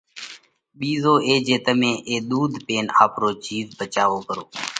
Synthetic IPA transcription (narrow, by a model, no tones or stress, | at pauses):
ɓiːzoːʔeːd͡ʒeːt̪əmẽːʔeːɗ̪uːd̪peːna̰ːpɾoːt͡ʃiːzbət͡ʃaːʋoːkəɾoː